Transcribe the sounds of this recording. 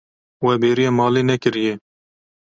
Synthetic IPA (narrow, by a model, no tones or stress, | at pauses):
wɛːbeːɾijaːmɑːleːnɛkɪɾɪjeː